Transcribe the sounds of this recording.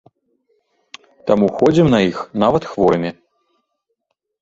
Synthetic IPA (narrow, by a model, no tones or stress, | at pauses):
t̪amuxɔd͡zʲimnɐjixn̪avɐt̪xvɔɾmʲi